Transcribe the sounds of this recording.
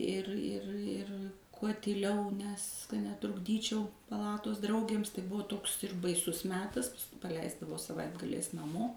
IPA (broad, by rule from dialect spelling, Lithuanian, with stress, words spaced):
ˈɪr ˈɪr ˈɪr kuɔ tʲiːˈlʲɛʊ nʲɛs kɐ nʲɛtrʊɡˈdʲiːt͡ʃʲɛʊ pɐˈlˠɑːtoːs ˈdrɐʊɡʲeːms tɐɪ ˈbʊʋoː ˈtoːks ɪr bɐɪˈsʊs ˈmʲæːtɐs pɐˈlʲɛɪzdɐʋoː sɐˈʋɐɪdɡɐlʲɛɪs nɐˈmoː